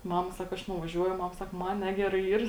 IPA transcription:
ˈmɑːmɐ ˈsɑːkɐ ˈɐʃ nʊʋɐˈʒʲuɔjʊ ˈmɐm ˈsɐk ˈmɐn ˈnʲæːɡʲɛrɐɪ ˈiːr

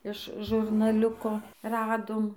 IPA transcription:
ɪʃ ʒʊrnɐˈlʲʊkoː ˈrɑːdoːm

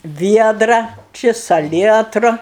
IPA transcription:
ˈʋʲiɛdrɐ ˈt͡ʃʲɪ sɐˈlʲiɛtrʊ

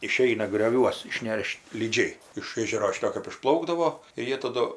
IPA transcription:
ɪˈʃʲɛɪnɐ ɡrʲoːˈʋʲuɔs ɪʃʲˈnʲɛʃt lʲiːˈd͡ʒʲɛɪ ɪʃ ˈeːʒʲɛroː ˈʃʲɪtoː kɜp ɪʃˈplˠɐʊɡdɐʋoː ɪr ˈjiɛ tɐˈdʊ

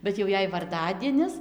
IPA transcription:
bʲɛt jɛʊ ˈjɛɪ ʋɐrˈdɑːdʲiɛnʲɪs

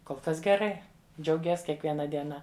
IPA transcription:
koːlˠ ˈkɐs ɡʲɛˈrɐɪ d͡ʒʲɛʊˈɡʲiɛs kʲiɛkʋʲiɛˈnɐ dʲiɛˈnɐ

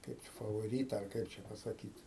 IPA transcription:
kɐɪp fɐʋoːˈrʲiːtɐ ɐr ˈkɐɪp t͡ʃʲɛ pɐsɐˈkʲiːt

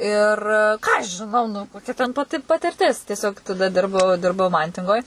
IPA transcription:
ɪr ˈkɑː ɐʃ ʒʲɪˈnɐʊ nʊ koːˈkʲɛ tʲɛn pɐˈtʲɪ pɐtʲɪrʲˈtʲɪs tʲiɛˈsʲoːk tɐˈdɐ ˈdʲɪrbɐʊ ˈdʲɪrbɐʊ ˈmɐnʲtʲɪŋɡoːj

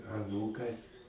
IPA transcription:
ɐˈnuːkɐs

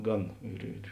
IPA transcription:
ˈɡɐn ɪr ɪr

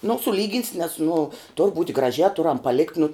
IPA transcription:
nʊ sʊˈlʲiːɡʲɪns nʲɛs nʊ tʊr buːtʲ ɡrɐˈʒʲæː ˈtʊrɐm pɐˈlʲɪkt nʊ

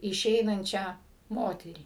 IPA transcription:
ɪˈʃʲɛɪnɐnʲt͡ʃʲæː ˈmoːtʲɛrʲiː

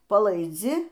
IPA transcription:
pɐlˠɐɪˈd͡zʲɪ

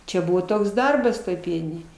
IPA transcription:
ˈt͡ʃʲɛ ˈbʊʋoː ˈtoːks ˈdɐrbɐs ˈtoːj ˈpʲiɛnʲɪnʲeːj

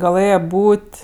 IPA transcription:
ɡɐˈlˠɘjɛ ˈbuːtʲ

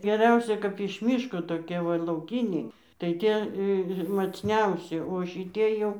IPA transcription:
ɡʲɛˈrʲɛʊsʲɛ kɐp ɪʃ ˈmʲiːʃkoː toːˈkʲiɛ ˈʋɐ lˠɐʊˈkʲiːnʲɛɪ tɐɪ ˈtʲiɛ mɐt͡sʲˈnʲɛʊsʲɪ oː ʃʲɪˈtʲiɛ jɛʊ

